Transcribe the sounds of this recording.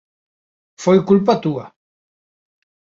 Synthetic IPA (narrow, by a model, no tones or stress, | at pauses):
fojkulp̬at̪ua